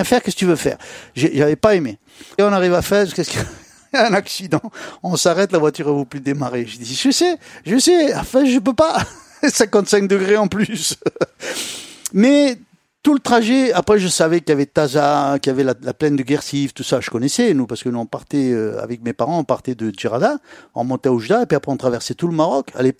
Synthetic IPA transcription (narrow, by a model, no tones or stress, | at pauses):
ɛ̃fɛʁkʲɛskət̪yvøfɛ̰ːʁʒeʒavɛpaeme | ɔ̃naʁivafɛʁkʲɛska | ɛ̃naksid̪ɑ̃ɔ̃saʁɛt̪lavwat̪yʁavuplyd̪emaʁeʒəd̪iskəsɛʒəsɛɑ̃fɛ̃ʒəp̬øpa | sɛ̃kɑ̃t̪sɛ̃k̚d̪əɡʁeɑ̃plys | mɛ | t̪ulət̪χaʒɛapχɛʒəsavɛkjavɛt̪azakjavɛlalaplɛnd̪əɡʲɛʁsift̪usaʒəkɔnɛsɛnupaʁsə̥kənuɔ̃paʁt̪ɛøa̰vɛk̚mepaʁɑ̃ɔ̃paʁt̪ɛd̪əʒiʁad̪aɔ̃mɔ̃t̪ɛoʒyd̪aepɥiapχɛɔ̃t̪χavɛʁsɛt̪uləmaʁɔka̰lep